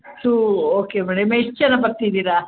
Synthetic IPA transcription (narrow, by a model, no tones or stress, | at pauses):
t̪uoːkemɐɽemeʂt͡ʃːɐnɐpɐɾt̪id̪iːɾa